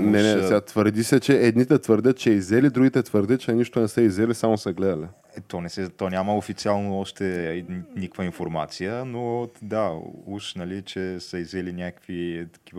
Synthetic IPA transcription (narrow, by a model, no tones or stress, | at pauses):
nɛnɛsɛɡat̪vəɾd̪isɛt͡ʃɛːd̪nit̪ɛt̪vəɾd̪ʲət̪t͡ʃɛizɛlid̪ɾuɡʲit̪ɛt̪vəɾd̪ət̪̚t͡ʃɛniʃt̪onɛsəizɛlisamosɐɡlɛd̪ɐlʲi | ɛt̪ɔnɛsɛt̪ɔnʲaməofit̪sialˠnoɔʃt̪ɛnikəkvəinfoɾma̰t̪sijənod̪auʃnɐlit͡ʃɛsəizɛlinʲakəkvit̪ɐ̥kiv